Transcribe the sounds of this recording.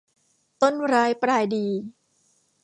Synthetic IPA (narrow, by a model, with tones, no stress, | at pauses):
t̪o˥˩nɾaː˦˥jpɾaː˧jdiː˧